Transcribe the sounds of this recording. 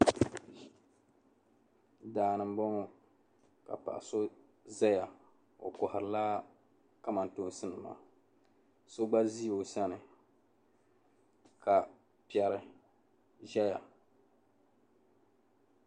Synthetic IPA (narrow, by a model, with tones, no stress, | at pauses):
daː˨nɨ˨m˦bɔ˦ŋo˦ | ka̰˨pa̰˨ʔa˨so˦ | za˦ja˨ | o̰˨kʊ˨hɪ˨ɾɨ˨laː˦ | ka˦ma˨n˨toː˨˦sɨ˦nɨ˨ma̰ː˨ | so˦ɡ͡ba˦zi˦o˨sa˦nɨ˨ | ka˨ | pi˦ɛ˨ɾɨ˦ | ʒɛ˦ja˨